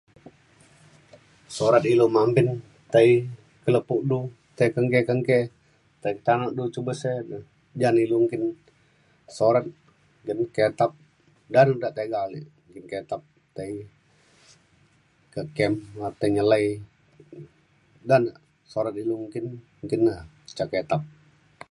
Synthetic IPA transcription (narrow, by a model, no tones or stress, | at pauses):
soɾat̪̚ilomampin | t̪ai | kələpuʔdu | t̪aikəŋkekəŋkɛ | t̪aikt̪anoʔdut͡ʃubəseə | d͡ʒaniluŋkin | soɾat̪̚ | ŋɡənkɛt̪ap̚ | danudaʔt̪eɡali | ŋkinkɛt̪ap̚ | t̪ai | kəkɛmat̪əɲəlai | danə | soɾət̪̚iluŋkin | ŋkinə | ə̥t͡ʃaket̪ap̚